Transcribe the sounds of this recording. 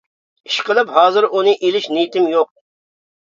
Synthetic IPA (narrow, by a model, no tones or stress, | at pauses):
iʃqəlˠɨphɑːzɨɾʔunɨʔilɪʃnijt̪ɪmjoq̚